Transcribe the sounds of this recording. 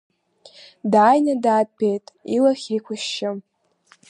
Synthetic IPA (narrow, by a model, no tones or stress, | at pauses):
daːjnadaːt̚pʰejtʼilaχʲijkʷʰʊʃːɪm